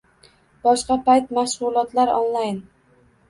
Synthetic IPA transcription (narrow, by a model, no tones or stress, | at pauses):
b̥ɒʃqɑpʰajt̪maʃʊlˠɒt̪laɾɒ̰nlajn